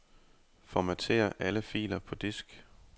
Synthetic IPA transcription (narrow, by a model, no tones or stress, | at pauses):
fɒmæt͡sʰe̝̰ːɐʔæləfḭːlɐpʰɒ̽d̥esɡ̥